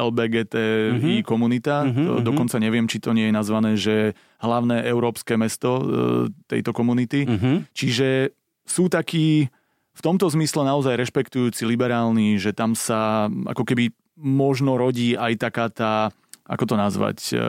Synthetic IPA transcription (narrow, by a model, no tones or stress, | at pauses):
ɛlbɛɡɛːt̪ɛːiːkɔmunit̪ad̪ɔkɔnt͡saɲɛʋɪɛmt͡ʃit̪ɔɲɪɛjɛnazʋanɛːʒɛ | ɦlaʊnɛːʔɛʊɾɔːpskɛːmɛst̪ɔt̪ɛ̰jt̪ɔkɔmunit̪iɦt͡ʃiʒɛ | suːt̪akiː | ft̪ɔmt̪ɔzmislɛnaɔzajɾɛʃpɛkt̪ujuːt͡silibɛɾaːlniʒɛt̪amsaʔa̰kɔkɛbi | mɔʒnɔɾɔɟiːajt̪akaːt̪aː | a̰kɔt̪ɔnazʋa̰c